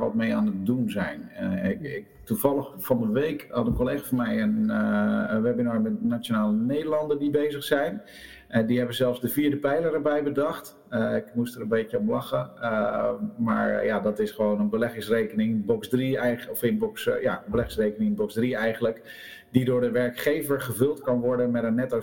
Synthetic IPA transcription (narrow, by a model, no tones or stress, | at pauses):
ʋɔt̚meːaːnət̚dunzɛjn | ɪktufɑlˠəxfɔnəʋejkhɑtənkoleːxafɔnmɛjən | ʋɛbjənɔjmɛtnat͡ssjonaːləneːdəlɑndəndibeːzəxsɛjn | ɛdiɦɛbəzɛlˠfsdəfiːɹdəpɛjlˠərəbɛjbədɑxt | əɪkmustəɾənbeːtjəɔmlɑxə | ma̰ɹjadɔtɪsχəʋoːnənbəlɛɣɪŋsrekənɪŋbɔksdriɛɔfɪnbɔksja̰əbəlɛχɪŋsreːkənɪŋbɔksdriɛjɣənlək | didʊːɹdəʋɛɹkχeːvəɹχəvɵlˠtkɑnʋɔɹdəmɛtənɛtɔ